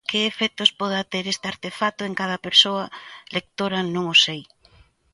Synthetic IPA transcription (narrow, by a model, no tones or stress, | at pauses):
kɪːfɛt̪ospɔð̞ɐt̪eɾest̪eaɾt̪efat̪ʊeŋkað̞ɐpeɾsoɐlek̚t̪oɾɐnõŋosej